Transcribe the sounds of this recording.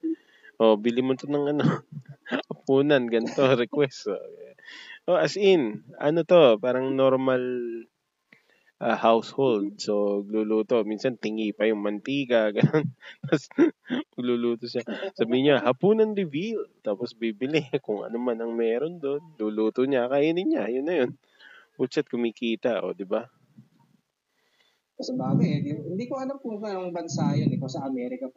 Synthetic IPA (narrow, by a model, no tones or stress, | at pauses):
ʔo̞bɪlɪmʊnt̪onɐŋɐno | hɐpuːnɐnɡɐnt̪o̞ɾɛkwɛst̪o̰ | ʔoʔɐsʔɪnʔɐnot̪o̞paːɾɐŋno̞ɾmɐl | ʔɐhawshold̪̚soɐɡ̚luluːt̪o̞minsɐnt̪ɪŋipɐjʊŋmɐnt̪iːkɐɡɐnonmɐsmɐɡluluːt̪oʃasabɪhɪɲahɐpuːnɐnɾɪvilt̪aːposbibɪlɪkʊŋʔɐ̰nomanɐŋmɛːɾo̞nd̪o̞nluːluːt̪oɲakaːjanɪɲɲajʊnːɐjo̞n | ut͡ʃɐt̪̚kʊmɪkiːt̪ɐʔo̞̰d̪ɪba | ɐsɐbaːwɪhɪnd̪iːkoɐlɐmpukɐɐŋbɐnsajɐnɪkosɐʔɐmɛːɾɪkɐ